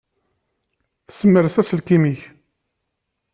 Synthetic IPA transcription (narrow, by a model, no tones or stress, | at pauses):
θə̥səmːəɾθæsəlkimiç